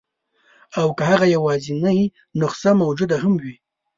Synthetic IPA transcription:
awkəhaɣajawɑzinaj | nʊqsamawd͡ʒud̪ahamwi

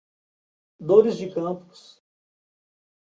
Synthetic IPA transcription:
d̪oɾizd͡ʒikɐ̃mpʊ̥s

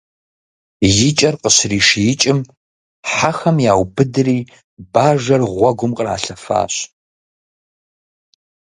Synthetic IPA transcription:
jɪt͡ʃʼɐrqəɕriːʂjɪt͡ʃʼɪm | ħaxɐmjaːwbɨdɨriː | baːʒɐrʁʷɔɡʷʊmqʼəra̰ːɬɐfa̰ːɕ

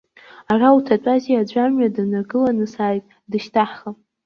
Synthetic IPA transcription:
arautʰat͡pʷʼaziad͡ʒʷamɥadɨnaɡɨlanɨsaːjtʼ | dɨʃtʰaħχap

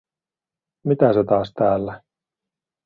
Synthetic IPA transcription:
mit̪æset̪ɑːst̪æːlːæ

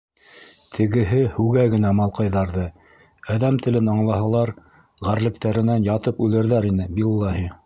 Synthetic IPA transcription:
t̪ʰɘ̆ɡɘ̆ɦɘhʉɡæɡɘ̆næmɑlˠqɑjðɑɾðɤ | æðæmt̪ɘ̆lɘnɑɴlˠɑɦɑlˠɑɾ | ʁæɾlɘ̆kt̪æɾɘ̆nænjɑt̪ɤpʉlɘ̆ɾðæɾinɘbilˠːɑɦi

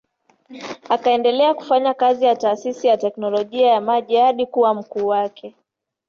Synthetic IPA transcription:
akaɛndɛlɛaku̥faɲakazijataːsisijatɛknɔlɔʄiajamaʄihaɗikuwam̩kuːwakʰɛ

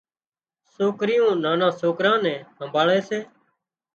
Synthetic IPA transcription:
soːkɾɪjõːnãːnãːsoːkɾãːnɛ̃ːɦəmbʱaːɭeːseː

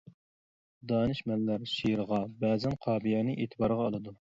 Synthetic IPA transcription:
d̪ɑːnɨʃmɛlːæɾʃiɾəʁɑbɛːzɛnqʰɑːbijɛnɨʔeːt̪ʰɨbɑɾəʁɑːlˠɨd̪u

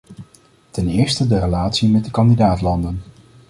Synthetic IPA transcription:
tɛnɪːɹstədərəlaːtsimɛt̚dəkɑndidaːtlɑndən

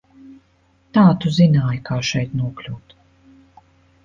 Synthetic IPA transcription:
t̪aːt̪uzinaːjkʰaːʃɛjt̪nuɔklʲuːt̪

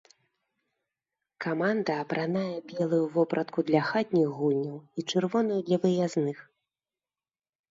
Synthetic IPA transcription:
kamand̪ɐːpɾʔanajɛbʲɛlˠujuvɔpɾʔɐt̪kud̪lʲɐxat̪̚ʲnʲiɣːulʲnʲɐwit͡ʂɨrvɔnɐjud̪lʲɐvɨjaznɨx

